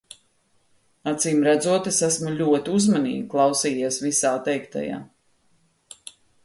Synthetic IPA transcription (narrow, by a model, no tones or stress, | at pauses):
at̪siːmɾæd̪zuɔt̪esæsmulʲuɔt̪iuzmanḭːɡʲiklˠɑwsiːjiɛsvisaːt̪ɛjkt̪a̰ja̰ː